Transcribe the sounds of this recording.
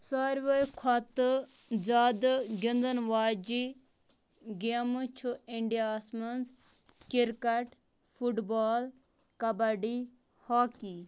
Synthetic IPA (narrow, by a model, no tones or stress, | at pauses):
saːɾʋɐjkʰɐt̪ | d͡ʒaːd̪ɡind̪ənʋaːd͡ʒi | ɡemut͡ʃʰuiɳɖijaːsmɐnz | kiɾkɐʈ | fʰuʈbaːl | kɐbɐɖi | haːki